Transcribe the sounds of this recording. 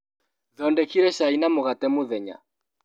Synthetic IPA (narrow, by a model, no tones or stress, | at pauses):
ðɔndɛkiɾɛʃainamoɣatɛmoðɛɲa̰